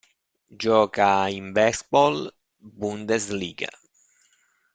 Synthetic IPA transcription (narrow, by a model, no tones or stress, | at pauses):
d͡ʒɔːkaimbɛsbɔl | bund̪esliːɡa̰